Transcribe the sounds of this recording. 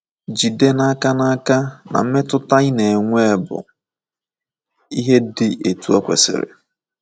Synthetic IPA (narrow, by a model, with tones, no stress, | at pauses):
d͡ʒi˨de˦na˦ka˦na˦a˦ka˦na̰˨m̩˦me˦tʊ˦ta˦i˦ne˨ŋʷe˦˨bʊ̰˨ | i˦ɦe˦dɪ˨ʔe˨tu˨˦ɔ˦kʷḛ˨sɪ̰˦˨ɾɪ̰˨